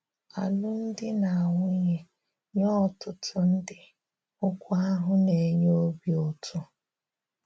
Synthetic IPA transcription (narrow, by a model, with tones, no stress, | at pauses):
a˨lʊ˦n̩˦dɪ˦na˨a˨ŋʷʊ˦ɲe˦ | ɲɔ˦˨tʊ˨tʰʊ˨n̩˦dɪ˨ | ʊ˦kʷa˦a˦ɦʊ˦ne˨ɲo˦bi˦ɔ˨tʰʊ˦